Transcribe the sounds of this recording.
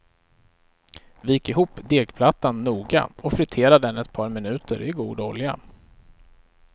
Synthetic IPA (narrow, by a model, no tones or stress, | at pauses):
vɪjɪkːɪɦuːpːd̪eːɡpʰlat̪ːanːuːɡa̰ɔfɾɪt̪ʰeːɾad̪əɛnɛt̪̚pʰɑːɾmɪnʉ̟ːt̪əɾɪɡuːd̪ɔlja̰